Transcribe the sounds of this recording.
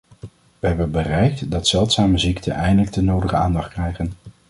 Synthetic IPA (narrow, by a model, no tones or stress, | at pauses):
ʋəɦɛbənbərɛjk̚tdɑtsɛlˠtsaːməziktʰə̰nʔɛjndələk̚tənowdəχəaːndɑχt̚krɛjχən